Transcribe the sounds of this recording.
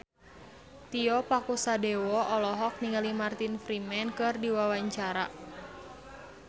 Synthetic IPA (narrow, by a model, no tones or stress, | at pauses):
t̪iɔpakusadɛwɔʔɔlɔɦɔk̚niŋɡalimart̪infɾimɛnkɨrdiwawaɲt͡ʃaɾa